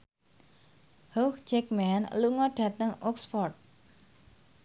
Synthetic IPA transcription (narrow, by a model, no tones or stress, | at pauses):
hoxd͡ʒɛk̚mɛnluŋɔɖ̥ä̤t̪əŋɔksfɔrt̪̚